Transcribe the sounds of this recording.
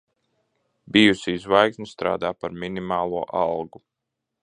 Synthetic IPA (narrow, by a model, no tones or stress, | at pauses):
bʲijusizvajksnʲist̪ɾa̰ːd̪aːpaɾminimɑːlˠuɔʔɑlˠɡu